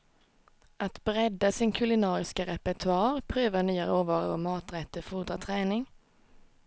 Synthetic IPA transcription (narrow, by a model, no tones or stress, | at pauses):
ʔɑt̪bʁɛd̪əsiːnkʰʉlɪnɑːʁɪskəʁɛpət̪ʰʉɑːʁpʰʁøːʋənyːəʁəoːʋɑːʁə̰o̰mɑːt̪ʁɛt̪əfʊʁd̪ʁɑt̪ʰʁɛːnɪŋ